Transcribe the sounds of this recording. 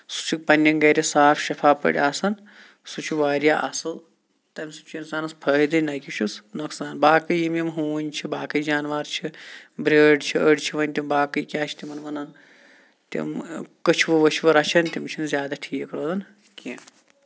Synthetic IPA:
su̥t͡ʃʰuk̚pɐnʲːɐnɡɐɾʲisaːpʰʃɐfʰaːpə̰ɽʲaːsɐn | sut͡ʃʰuʋaːɾjaːʔɐsɨl | t̪ɐmʲsɨt͡ʃinsaːnɐspʰɐːɦid̪ɨnɐjkʲiʃʰusnɐksaːnbaːkɨjjimimɦuːʋɐnʲt͡ʃʰibaːkɐjid͡ʒaːnʋaːɾt͡ʃʰibɾeːɖt͡ʃʰiəɖt͡ʃʰiʋɐnʲt̪ʲimbaːkɨjkʲaːt͡ʃʰi̥t̪imɐnʋɐnɐn | t̪ḭmkɐt͡ʃʰuʋɨʋɐt͡ʃʰiʋɐɾɐt͡ʃʰɐnt̪imt͡ʃʰinzʲjaːd̪aʈʰiːkɾoːd̪ɐn | kʲĩ

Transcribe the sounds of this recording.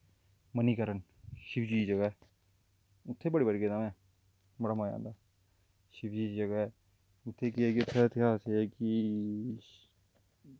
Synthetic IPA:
məniːkəɾən | ʃɪpd͡ʒiːd͡ʒəɡaɛː | ʊt̪ʰːeːbəɽiːbəɽikeaːmɛ̃ː | bəɽaːmad͡ʒã̰ːnd̪aː | ʃɪpd͡ʒiːd͡ʒəɡaɛː | ʊt̪ʰːeːkɪɛkiʊt̪ʰːet̪ɪkʰaːseɛki

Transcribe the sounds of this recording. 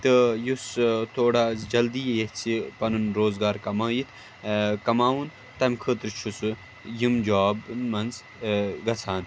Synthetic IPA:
t̪ɨjust̪ʰoːɽaːd͡ʒɐld̪ijɐjet̪t͡sʰipɐnunɾoːzɡaːɾkɐmaːjit̪ʰ | kɐmaːwun | t̪ɐmkʰət̪ɾt͡ʃʰusu | jimd͡ʒaːbnmɐnz | ɡɐsʰaːn

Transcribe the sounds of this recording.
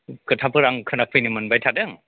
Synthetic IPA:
kɯtʰapɯɾaŋkʰɯnak̚pʰɯjnimɯnbajtʰadɯŋ

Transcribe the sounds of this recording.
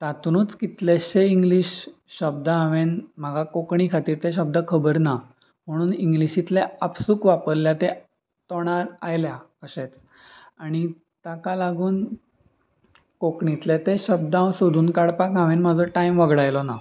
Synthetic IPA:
t̪at̪unuːt͡skit̪lɛɕeiŋɡliɕ | ɕəb̚d̪əãʋenm̤əɡakokɳikʰat̪iːɾt̪eɕəb̚d̪əkʰəbəɾna | m̤əɽ̃uːniŋɡliɕit̪lɛəpsuːkʋapəɾljat̪e | t̪ɔɽ̃aɾajljakəɕet͡s | aɽ̃i | t̪akalaɡuːn | kokɳit̪lɛt̪eɕəb̚d̪əãwsod̪ʱuːnkaɽpakɦãʋenmad͡zʱɔʈaimʋəɡɽajlɔna

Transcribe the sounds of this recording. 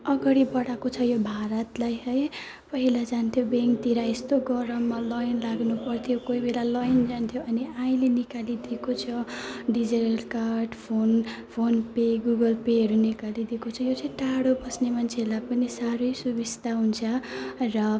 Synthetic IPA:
ʌɡʌɽibʌɽakot͡sʰʌjobʱaɾʌt̪lajɦʌj | pʌɦilad͡zant̪ʰjobeŋkt̪iɾaest̪oɡʌɾʌmːalʌjnlaɡnupʌrt̪ʰjokoibelalʌjnd͡zant̪ʰjoʔʌniaĩlenikalid̪ikot͡sʰʌɖid͡ziʈʌlkarɖpʰonpʰonpeɡuɡʌlpeɦʌɾunikalid̪ikot͡sʰʌjot͡sʌĩʈaɽobʌsnemant͡sʰelapʌnisaɾʌjsubist̪aɦunt͡sʰʌrʌ

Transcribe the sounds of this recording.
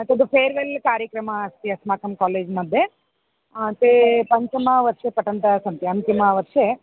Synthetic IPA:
ɐt̪ɐd̪upʰeːɾʋelkaːɾjɐkɾɐmɐːst̪iɐsmaːkɐmkaːleːd͡ʒmɐd̪ʱːje | t̪epɐɲt͡ʃɐmɐʋɐɾʂepɐʈɐnt̪ɐsɐnt̪jiɐnt̪imɐʋɐɾʂe

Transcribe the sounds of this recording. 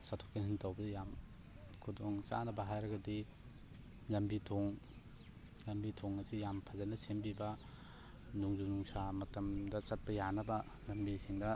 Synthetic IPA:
satʰo̥kinsintawbɐdɐjam | kʰudoŋt͡ʃa̰nɐbɐɦajɾɐɡɐdi | lɐmbitʰoŋ | lɐmbitʰoŋɐsijampʰazɐnɐsenbibɐ | nuŋzunuŋsamɐtɐmdɐt͡ʃɐt̚pɐjanɐbɐ | lɐmbisiŋdɐ

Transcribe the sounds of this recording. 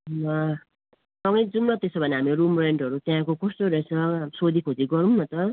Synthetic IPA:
nʌ | sʌŋɡʌjd͡zumlʌt̪esobʱʌneɦamiɾumreɳɖʌɾut̪jãkokʌst̪oɾʌsʰʌsod̪ʱikʰod͡ziɡʌɾunnʌt̪ʌ

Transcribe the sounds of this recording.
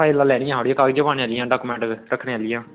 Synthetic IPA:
aːlːaːlɛːɽɪjãːɦoːɽijãːkaːɡd͡ʒəbaːneaːlɪjãːɖaːkuːmɛ̃ːɳʈɾəkʰneːaːlɪjãː

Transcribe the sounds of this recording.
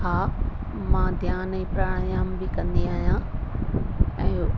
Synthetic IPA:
ɦaː | mãːd̪ʱjaːnɛ̃ːpɾaːɽ̃jaːmbɪkɐ̃nd̪iaːɦjã | ɛ̃ː

